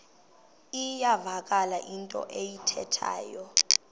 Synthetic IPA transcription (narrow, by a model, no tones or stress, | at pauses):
ijavak̬ʼalaʔintʼɔ̰ʔejitʰɛtʰa̰ːjɔ